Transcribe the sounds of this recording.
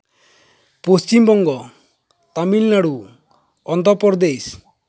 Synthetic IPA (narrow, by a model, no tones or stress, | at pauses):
post͡ʃimbɔŋɡɔ | t̪amilnaɽu | ɔnd̪ʱɔpɔɾd̪ejs